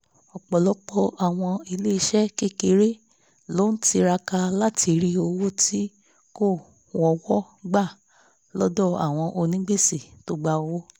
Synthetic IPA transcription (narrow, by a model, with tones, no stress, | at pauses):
ɔ˨k͡pɔ˨lɔ˦k͡pɔ˧ʔa˨w̃ɔ̃˧i˧le˦i˧ʃɛ˦ki˦˨ke˧ɾe˦ | lo˦n̩˦ti˧ɾa˧ka˧la˦ti˧ɾi˦o˧wo˦ti˦ | ko˦˨ | ɔ˧wɔ˦ | ɡ͡ba˦˨ | lɔ˦dɔ˦˨a̰˨w̃ɔ̃˧ʔo˧nĩ˦ɡ͡be˦si˨to˦ɡ͡ba˧o˧wo˦